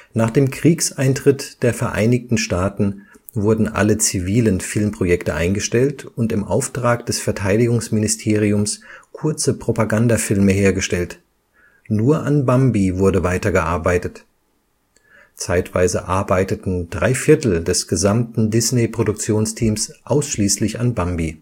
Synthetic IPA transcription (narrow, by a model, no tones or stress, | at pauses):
naːχd̥eːmkʁ̥iːksʔaɪntʁ̥ɪtd̥eːɐfɛɐʔa̰ɪnɪktn̩ʃtaːtn̩ | vʊɐdn̩ʔa̰lət͡siviːlənfɪlmpʁ̥ojɛktəʔa̰ɪnɡəʃtɛltʊntɪmʔa̰ʊftʁ̥aːkd̥ɛsfɛɐtʰaɪdɪɡʊŋsmɪnɪstʰeːʁ̞iʊmskʰʊɐt͡səpʁ̥opaɡandafɪlməɦeːɐɡəʃtɛlt | nuːɐʔanbambivʊɐdəvaɪtɐɡəʔaɐbaɪtət | t͡saɪtv̥aɪzəʔaɐbaɪtətn̩dʁaɪfɪɐtl̩dɛsɡ̥əzamtn̩dɪsnepʁ̥odʊk̚t͡sjoːnstʰiːmsʔaʊsʃliːslɪçanbambi